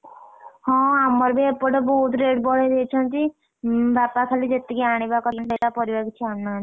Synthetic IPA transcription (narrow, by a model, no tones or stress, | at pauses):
hɔ̃amːaɾbeepɔɖebɔɦut̪ɾeɖbɔɽ̤ed̪it͡ʃʰɔnt̪i | bapakʰalid͡ʒet̪ːekiaɽ̃ibakɔnbelapɔɾibaɡit͡ʃʰiamnan